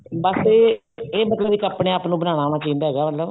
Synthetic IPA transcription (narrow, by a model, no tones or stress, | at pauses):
bəse | eːmət̪ləbiːkaːpɽeːaːpnũːbənãːɽ̃aːñaːt͡ʃaĩːnd̪aːɦɛːɡaːmət̪ləb